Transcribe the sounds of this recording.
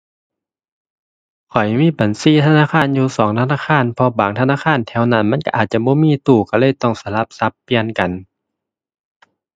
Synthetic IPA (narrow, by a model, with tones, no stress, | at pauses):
kʰɔ˨˩jmiː˧˥˨ba˨nsiː˧˥˨t̪ʰa˧naː˧˥˨xʰaː˧˥˨njuː˧sɔː˨˦ŋt̪ʰa˧˨naː˧˥˨kʰaː˧˥˨npʰɔ˧baː˨˦ŋt̪ʰa˧naː˧˥˨xʰaː˧˥˨nt̪ʰɛ˧˩wna˧˨nma˧˥˨nka˧ʔaː˨˩t̪̚t͡ɕa˧˨bɔː˧˦miː˧˥˨t̪uː˧˩ka˧˩lɤː˧˥˨jt̪ɔ˧˥˩ŋsa˧˦la˧˦p̚sa˧˦pːi˧˩˨ənka˨n